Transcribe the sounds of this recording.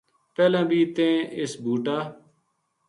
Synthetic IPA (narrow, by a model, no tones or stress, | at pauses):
peːlãːbʱiːt̪ẽːɪsbʱuːʈaː